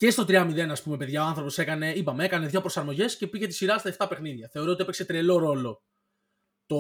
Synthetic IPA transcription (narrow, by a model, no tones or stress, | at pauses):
ce̞st̪o̞t̪ɾiɐmiðe̞nɐspume̞pe̞ðʝɐɐnθɾopo̞se̞kɐne̞ipɐmeekɐneðʝo̞pɾo̞sɐɾmo̞ʝe̞sce̞piʝet̪i̥siɾɐst̪ɐeft̪ɐpe̞xniðʝɐθe̞oɾoo̞t̪iepekse̞t̪ɾelo̞ɾo̞lo̞ | t̪o